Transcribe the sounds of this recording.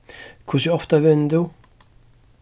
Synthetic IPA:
kʰʊsɔft̪avɛnːd̪u

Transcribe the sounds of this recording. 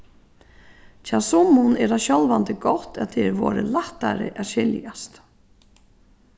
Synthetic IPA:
cʰasʊmːʊnɛːɾaɕɔlvant̪ɪɡɔht̪aðt̪ʰɛɛɾvɔːɾɪlaht̪aɾɪ̰ʔaɕɪljast̪

